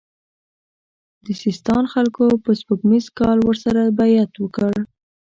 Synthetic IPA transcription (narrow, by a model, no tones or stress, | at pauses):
d̪əsɪst̪ɑnxalkopəspukmizkɑlwəɾsaɾabajat̪wəkəɽ